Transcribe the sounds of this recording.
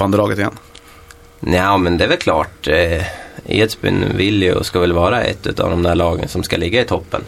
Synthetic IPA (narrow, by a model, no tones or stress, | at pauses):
ɑnd̪əlɑːɡət̪ɪjɛ̰n | naʊmɛnd̪ɛʋɛlkʰlɑ̰ːʈ | ḛːt̪sbɪ̰nvɪljʊ̰skɑʋɛlʋɑːɾaɛ̰t̪ːʉ̰ːt̪ɑ̰vd̪ɔmd̪æɭɑːɡə̰nsɔmskɑlɪɡːaɪt̪ʰɔpːə̰n